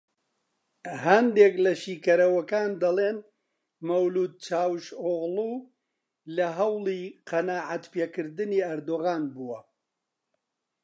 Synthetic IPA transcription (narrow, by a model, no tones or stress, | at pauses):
ɦɐnd̪eklɐʃiːkɐɾɐwɐkaːnd̪ɐleːn | mɐwluːd̪̚t͡ʃaːwʃoɣluː | lɐɦɐwlˠiːqɐnaːʕat̪peːkɨɾd̪ɨniːɐɾd̪oːɣaːnbuwɐ